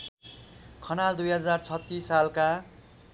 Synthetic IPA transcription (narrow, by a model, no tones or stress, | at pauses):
kʰʌnald̪ujɦʌd͡zart͡sʰʌt̪ːisːalka